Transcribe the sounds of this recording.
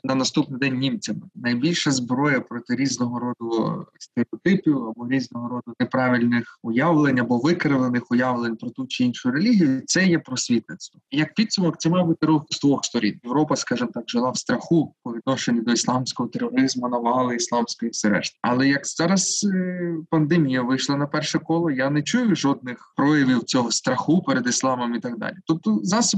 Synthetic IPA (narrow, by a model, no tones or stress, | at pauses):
nɐnɐst̪upnɪjd̪ɛnʲːimt͡sʲɐmɪnɐjbʲilʲʃɐzbɾɔjɐpɾɔt̪ɪɾʲiznɔɦɔɾɔd̪ʊst̪eɾʲeɔt̪ɪpʲiwɐbɔɾʲiznɔɦɔɾɔd̪ʊnepɾɑʋʲilʲnɪxʊjaʋlˠenʲɐbɔʋɪkɐɾɪʋlˠenɪxʊjaʋlˠenʲpɾɔt̪ut͡ʃɪinʃʊjʊɾelʲiɦʲijʊt̪sɛjɛpɾɔsʲʋʲit̪nɪt̪st̪ʋɔijɐk̚pʲit̪sʊmɔk̚t̪sɛmajbut̪ɪɾɔst̪ʋɔxst̪ɔɾʲḭnjeʋɾɔpɐskɑʒɨmt̪ɑkʒɪlˠɑwst̪ɾɐxupɔʋʲid̪̚nɔʃenʲid̪ɔislˠɑmsʲkɔɦɔt̪erɔɾɪzmʊnɐʋɑlˠɪislˠɑmsʲkɔjiwsɛɾɛ̰ʃt̪ɐɐ̰lˠɛjɐkz̥ɑɾɐs | pɐnd̪emʲijɐʋɪjʃlˠɐnɐpɛrʃɛkɔlˠɔjanɛt͡ʃujʊʒɔd̪̚nɪxpɾɔjɐʋʲiwt͡sʲɔɦɔst̪ɾɐxupeɾed̪ɪslˠɑmɔmit̪ɑɡ̚d̪ɑ̰lʲit̪ɔp̚t̪ɔzɑsʊ